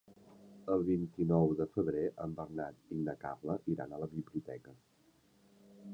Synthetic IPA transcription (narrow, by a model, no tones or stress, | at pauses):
əlˠβint̪inɔwðəfəβɾeʔəmbərnat̪inːəka̰βləʔiɾa̰nələβiβliut̪ɛkə